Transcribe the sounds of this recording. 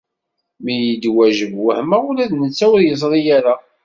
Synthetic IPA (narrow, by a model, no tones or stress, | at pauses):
mijəd̪wæʒəvwəhməʊɾæðnət͡sːæwʊɾjəzˤɾˤijæɾa